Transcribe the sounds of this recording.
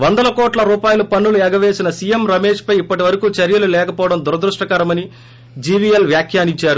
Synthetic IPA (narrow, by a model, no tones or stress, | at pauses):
ʋɐnd̪ɐlɐkɔːʈlɐɾuːpaːjɐlupɐɳːuluɛːɡɐʋeːsinɐsijemɾɐmeːʂpɐjipːɐʈiʋɐɾɐkuːt͡ʃɐɾjɐlulɛːkɐpɔːʋɐɽɐmd̪uɾɐd̪ɾuʂʈɐkɐɾɐmɐni | d͡ʒiːʋiːjelʋjaːkʰjaːniɲt͡ʃːaːɾu